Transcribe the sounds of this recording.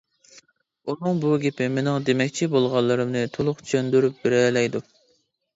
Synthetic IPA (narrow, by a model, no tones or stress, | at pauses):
unɨŋbuɡʲepʰɪmenɪŋd̪emɛkʲt͡ʃʰibolˠʁɑlˠːɨɾɨmnɨt̪ʰolˠʊχt͡ʃʰy̥t͡ʃʰønd̪yɾyp̚beɾɛlɛjd̪u